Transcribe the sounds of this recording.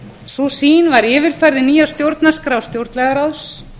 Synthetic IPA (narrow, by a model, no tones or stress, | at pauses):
susiːnvaɾɪːvɪɾ̥fɛɾðɪniːjast̪jowɾt̪naskɾaːwst̪jowɾt̪nlɛɣaɾaðs